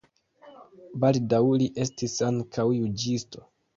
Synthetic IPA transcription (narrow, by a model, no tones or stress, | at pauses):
baldawliʔe̞stisaŋkʰawjud͡ʒisto̞